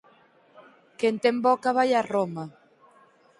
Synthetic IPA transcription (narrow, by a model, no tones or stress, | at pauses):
kent̪embɔkaβajaroma